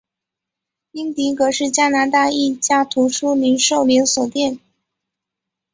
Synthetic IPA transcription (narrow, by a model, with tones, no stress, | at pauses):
i˥ŋt̪i˧˥kɤ˧˥ʂɻ̩˥˩t͡ɕja˥na˧˥t̪a˥˧i˥˩t͡ɕja˥t̪ʰu˧˥ʂu˥li˧˥nʂo˥˩ʊli˧˥ŋswɔ˨˩t̪jɛ˥˩n